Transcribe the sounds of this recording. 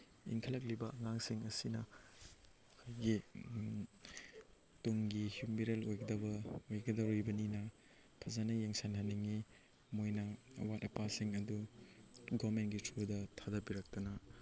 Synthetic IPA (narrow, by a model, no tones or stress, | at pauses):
ḭŋkʰɐlɐk̬̚libɐɐŋaŋsiŋɐsinɐ | ajɡi | toŋɡihjumbiɾelojɡɐdɐbɐojɡɐdɐɾojbɐninɐ | pʰɐzanɐjeŋsanhɐniŋi | mojnɐːwatɐpasiŋɐdu | ɡɔmentɡitʰɾodɐtʰadɐbiɾɐk̚tɐnɐ